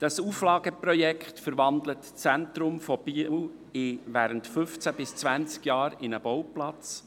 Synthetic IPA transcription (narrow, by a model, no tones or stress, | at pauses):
d̥ɑsuːflɑːɡəpɾɔjɛkχtfəɾʋɑndlətt͡sæntɾʊmfɔb̥iɪʋæːɾəntfʏft͡sæbɪst͡svænt͡skjɑːɾɪnəbɔwplɑt͡s